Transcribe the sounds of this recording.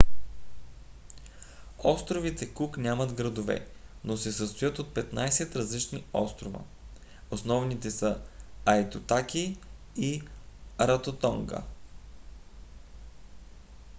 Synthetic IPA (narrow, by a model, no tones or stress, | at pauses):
ɔst̪ɾovit̪ɛkuknʲjamɐd̪ɡɾɐd̪ovɛ̰nosɛsəst̪ojɤt̪ot̪̚pɛt̪najsɛt̪ɾɐzlit͡ʃniɔ̰st̪ɾovɐ̰ | osnɔvnit̪ɛsəɐjt̪ot̪akiː | ɾɐt̪ot̪ɔŋɡə̰